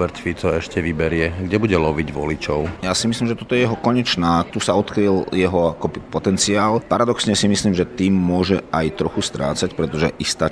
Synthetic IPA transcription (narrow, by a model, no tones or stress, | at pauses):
bɛɾt̪fit͡sɔɛʃcɛʋibɛɾɪɛɡɟɛbuɟɛlɔʋiɟʋɔ̰lit͡ʃɔʊjasimisliːmʒɛt̪ɔt̪ɔjɛjɛɦɔkɔɲɛt͡ʃnaːt̪usaɔt̪kɾiljɛɦɔakɔbipɔt̪ɛnt͡siaːlpaɾad̪ɔksɲɛsimisliːmʒɛt̪iːmːʊɔʒɛajt̪ɾɔxust̪ɾa̰ːt͡sacpɾɛt̪ɔʒɛʔist̪aː